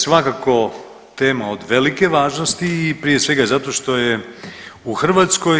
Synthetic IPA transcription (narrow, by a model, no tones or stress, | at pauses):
sʋakako̞ | t̪e̞ːmao̞d̪ʋe̞like̞ʋaːʒnost̪iːpɾije̞sʋe̞ɡazat̪o̞ʃt̪o̞je | uxr̩ʋaːt̪sko̞j